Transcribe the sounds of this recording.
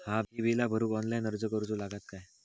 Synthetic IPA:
hãbibilabʱəɾuːkɔnlainəɾd͡zəkəɾud͡zolaɡat̪̚kaj

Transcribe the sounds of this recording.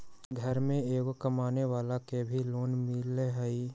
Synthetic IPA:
ɡʱəɾmẽeːkokəmaːneʋaːlakebʱiloːnmɪleɦɛi

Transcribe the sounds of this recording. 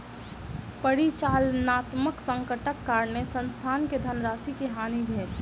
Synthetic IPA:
pəɽit͡ʃaːlnaːt̪məksə̃ŋkəʈəkːaːɾnesə̃nst̪ʰaːnked̪ʱənɾaːsikeɦaːnibʱeːt

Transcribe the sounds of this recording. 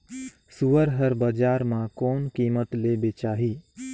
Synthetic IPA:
suəɾɦəɾbəd͡ʒaːɾmãkɔːnkiːmət̪leːbet͡ʃaːɦi

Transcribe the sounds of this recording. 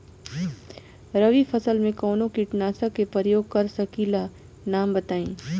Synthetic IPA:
ɾɐʋifʰɐsəlmẽkɔːnõkiʈnaːsakepəɾjoːɡ̚kɐɾsɐkiːla | naːmbɐt̪aːĩː

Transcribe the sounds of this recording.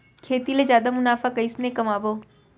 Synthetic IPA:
kʰeːt̪iled͡ʒjaːd̪amʊnaːfakɐisnekɐmaːboː

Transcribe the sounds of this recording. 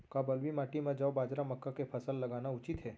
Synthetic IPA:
kabəlʋimaːʈimed͡ʒəʋbaːd͡ʒɾaməkːakepʰəsəlːɐɡaːnaʊt͡ʃit̪ɦɛː

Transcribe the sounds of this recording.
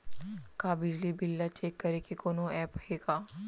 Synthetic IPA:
kaːbɪd͡ʒlibɪlːat͡ʃeːkːɐɾekekoːnõɛːpeːɡaː

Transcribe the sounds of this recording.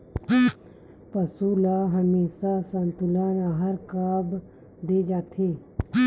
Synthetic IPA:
pəsulaɦəmeːsasə̃nt̪ʊlaːnaɦəɾkaːb | d̪eːd͡ʒaːt̪ʰeː

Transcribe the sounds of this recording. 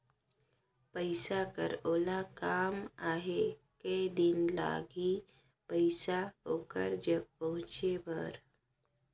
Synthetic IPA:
pəɪsakə̰ɾoːlakaːmaːɦe | kəd̪ɪnla̰ːɡi | pəɪsaɦoːkəɾd͡ʒəɡ̚pəɦʊ̃t͡ʃebə̰ɾ

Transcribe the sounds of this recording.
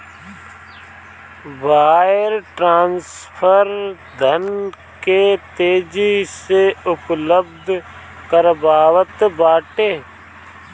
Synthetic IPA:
ʋaːɪɾʈɾãːnspʰəɾ | d̪ʱən | ket̪eːd͡ʒiseʊpləb̚d̪ʱ | kəɾbaːʋət̪baːʈeː

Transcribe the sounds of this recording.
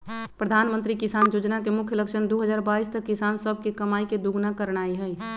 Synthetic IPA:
pɾəd̪ʱaːnmə̃nt̪ɾikɪsaːnjoːd͡ʒnakemʊkʰjələkʃənd̪oɦəd͡ʒaːɾbaːist̪əkːɪsaːnsəb̚ʱkekəmaːiked̪uɡnakəɾɽ̃aːiɦɛ

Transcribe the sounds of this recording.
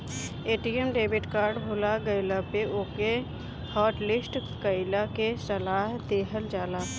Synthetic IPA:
eːʈiːemɖeːbɪʈkaːɾɖbʱoːlaɡəɪlapeʔoːke | hɔːʈlɪsʈkəɪlakesəlaːɦd̪eːɦəld͡ʒaːlaː

